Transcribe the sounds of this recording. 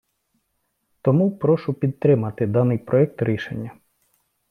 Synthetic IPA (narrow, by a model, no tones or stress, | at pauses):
t̪ɔmupɾɔʃʊpʲid̪̚t̪ɾɪmɐt̪ɪd̪ɑnɪjpɾɔɛk̚t̪ɾʲiʃḛnʲːɐ